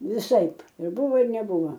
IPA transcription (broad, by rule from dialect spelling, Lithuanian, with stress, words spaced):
ʋʲɪˈsɐɪp ɪr ˈbʊʋoː ɪr nʲɛˈbʊʋɐ